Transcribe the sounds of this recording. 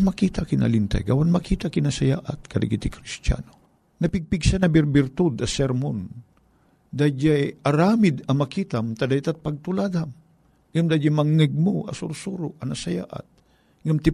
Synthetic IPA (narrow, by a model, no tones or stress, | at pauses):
makit̪akɪna̰lint̪a̰jɡawanmakiːt̪akɪnasajaːʔat̪̚kɐd̪a̰ɡit̪ɪkɾist̪ja̰no | nɐpɪɡ̚pɪɡsanɐbɪɾbɪɾt̪ud̪ɐsɛɾmon | d̪ad͡ʒajʔɐɾaːmɪd̪ɐmakit̪amt̪ad̪ajt̪at̪̚paɡ̚t̪ʊlad̪am | ŋamd̪ad͡ʒamaŋːɛɡ̚moa̰sʊɾsuɾʊʔɐnasaja̰ʔa̰t̪̚ | ŋamt̪ɪ